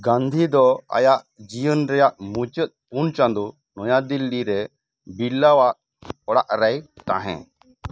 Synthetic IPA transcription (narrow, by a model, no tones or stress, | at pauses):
ɡãnd̪ʱid̪ɔa̰jaʔ | d͡ʒijənɾɛjaʔmut͡ʃət̪̚ˀpunt͡ʃãnd̪u | nɔjad̪ilːiɾɛ | bilːawaʔ | ɔɽa̰ʔɾɛjt̪a̰ɦɛ̰̃